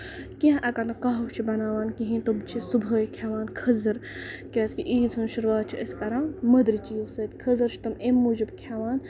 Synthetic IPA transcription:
kiɦãʔɐkɐɾnɐkɐɦuwt͡ʃʰibɐnaːʋaːnkiɦĩt̪umt͡ʃʰisubʱəːjkʰjaʋaːnkʰɐzɐɾkʲɐːskiʔiːt͡sʰunʃuɾʋaːt̪̚t͡ʃʰiɐskɐɾãːnmɐd̪ɾit͡ʃiːzsɐt̪ʲkʰəzɨɾt͡ʃʰi̥t̪ɐmemːuːd͡ʒibkʰʲaʋaːn

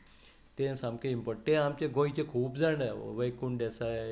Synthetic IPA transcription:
t̪emsamkeimpəʈeamt͡ɕeɡʱoit͡ɕekʰuːpd͡zaɳəʋəjkuɳɖesa

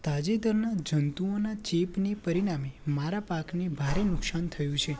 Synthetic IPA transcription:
t̪ad͡ʒid̪əɾnad͡ʒənt̪uonat͡ʃepnipəɾiɽamemaɾapaknebʱaɾenʊksant̪ʰəjũt͡ʃʰe

